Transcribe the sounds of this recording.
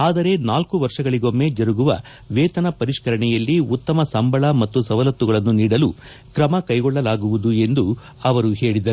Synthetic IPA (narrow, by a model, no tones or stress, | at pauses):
aːd̪ɐɾe̞naːlkuʋɐɾʂɐɡɐɭiɡo̞mːe̞d͡ʒɐɾuɡuʋɐ̰ | ʋeːt̪ɐnɐpɐɾiʂkɐɾɐɳɛjɐlːiut̪ːɐmɐsɐmbʱɐɭɐmɐt̪ːusɐʋɐlɐt̪ːuɡɐɭɐnːuniːɽɐlu | kɾɐmɐkɐjɡɔɭːɐlaːɡuʋud̪ue̞nd̪u | ɐʋɐɾuɦe̞ːɭid̪ɐɾu